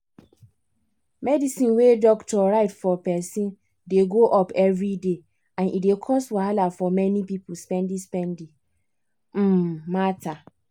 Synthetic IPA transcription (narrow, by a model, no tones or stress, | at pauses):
mɛdisĩnwedɔktɔɹaɪtfɔpɛsĩn | deɡoʔɔpɛvɹide | ãnʔḭdekʰɔstwahalafɔmɛnipipʊspɛ̃ndĩspɛ̃ndĩ | m̩matʰa